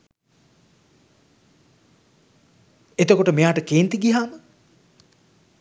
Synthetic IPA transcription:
et̪okoʈəmejaːʈəkeːnt̪iɡiɦaːmə

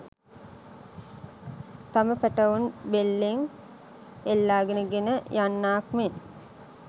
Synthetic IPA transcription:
t̪aməpæʈəunbelːeŋ | elːaːɡenəɡenəjanːaːkmen

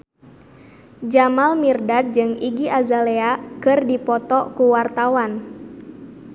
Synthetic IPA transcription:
d͡ʒamalmirdad̪̚d͡ʒɨŋiɡiʔazaleakɨrdipɔt̪ɔkuwart̪awan

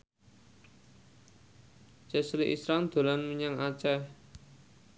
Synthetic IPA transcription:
d͡ʒ̥ɛ̤sliʔḭsɾaŋd̪̥o̤lanməɲaŋat͡ʃɛ

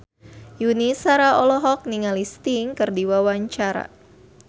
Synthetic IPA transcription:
junisaɾaʔɔlɔɦɔk̚niŋalist̪iŋkɨrdiwawaɲt͡ʃaɾa̰

